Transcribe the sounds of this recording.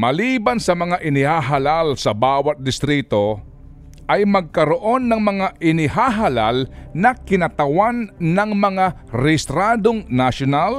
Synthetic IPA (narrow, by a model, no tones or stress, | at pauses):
mɐliːbɐnsɐmɐŋaʔɪnɪhaɦalalsɐbaːwɐt̪̚d̪ɪst̪ɾit̪o̞ | ʔɐjmɐɡ̚kɐɾoʔo̞nːɐŋmɐŋaʔɪnɪɦaɦalalnɐkɪnɐt̪ɐwanːɐŋmɐŋa | ɾɛst̪ɾad̪oŋnaʃonal